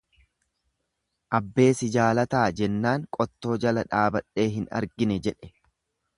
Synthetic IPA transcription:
ʔɐbːe̞ːsɪd͡ʒaːlɐt̪aːd͡ʒɛnːaːŋkʼɔt̪ːo̞ːd͡ʒɐlɐᶑaːbɐᶑe̞ːɦɪnɐ̰ɾɡɪnɛd͡ʒɛᶑɛ̥

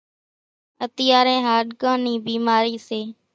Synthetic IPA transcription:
ət̪ɪjaːɾẽːɦaːɖkãːniːbiːmaːɾiːseː

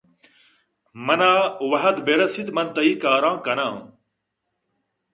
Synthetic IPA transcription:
mɐnaːwɐɦɐd̪beɾɐsit̪mɐnt̪ɐiːkaːɾãːkɐnãː

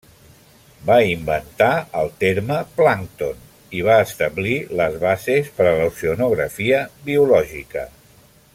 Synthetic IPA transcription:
baimbənt̪aəlˠt̪eɾməplaŋkt̪on | iβ̞aəst̪əβliləzβazespəɾələwsiunuɣɾəfiəβiulɔʒikə̰

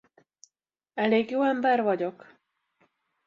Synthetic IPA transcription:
ɛleːɡjoːɛmbɛrvɒɟo̞k

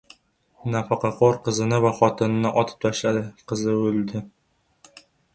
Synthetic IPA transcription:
nafaqɑqʰɒɾqʰɨzɪnɪvaχɒt̪ʰɪnɪnɪʔɒt̪ʰɪ̥p̚t̪ʰaʃlad̪ɪqʰɨzɪɵld̪ɪ

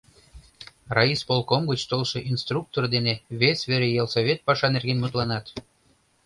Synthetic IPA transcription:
rɑispolˠkomɡət͡ɕt̪olˠʃɤ̆ʔinst̪ruk̚t̪ord̪eneβesʲβeɾejelˠsoβʲet̪̚pɑʃɑnerɡʲenmut̪lɑnɑt̪

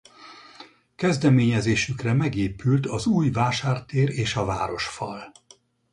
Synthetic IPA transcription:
kɛzd̪ɛmeːɲɛzeːʃykrɛmɛɡeːpylt̪ʰɒzuːjvaːʃaːrt̪eːɾeːʃɒvaːɾo̞ʃfɒ̰l

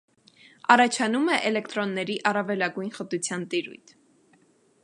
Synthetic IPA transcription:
ɑrɑt͡ʃʰɑnumɛʔɛlɛkt̪ɾɔnːɛɾiʔɑrɑvɛlɑɡujnχət̪ut͡sʰjɑnt̪iɾṵjt̪ʰ

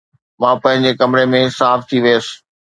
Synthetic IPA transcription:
mãːpɐ̃ɦɪ̃ɲd͡ʑekɐmɪɾemẽsaːft̪ʰiʋeːsɪ̥̆

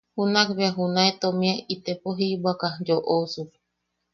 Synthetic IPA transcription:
hunakβeaɦunaet̪omĩeit̪epoɦibakad͡ʒoʔosup̚

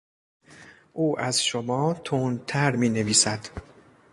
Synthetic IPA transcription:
ʔuːʔæzʃomɒːt̪ʰont̪ʰæɾmiːne̞viːsæd̪̥

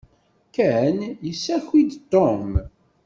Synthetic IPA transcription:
kæənjəsːæçid̪t̪ːom

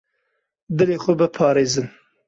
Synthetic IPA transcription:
d̪ɨleːxʷʊbɨpʰɑːɾeːzɨn

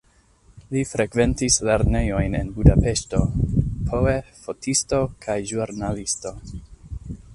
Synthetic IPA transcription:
lifɾe̞kve̞ntisle̞ɾne̞jo̞jne̞̰nbudape̞ʃto̞pʰoefo̞tʰisto̞kʰajʒuɾnalisto̞

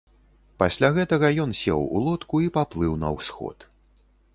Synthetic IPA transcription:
pasʲlʲaɣɛt̪ɐɣɐjɔnsʲɛ̰wṵlˠɔt̪kuipaplˠɨwnɐ̰wsxɔ̰t̪

